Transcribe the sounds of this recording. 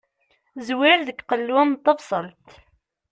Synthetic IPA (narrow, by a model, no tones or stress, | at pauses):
zwɪɾðəkːqəlːwænt̪ˤːɑvsˤəlt̪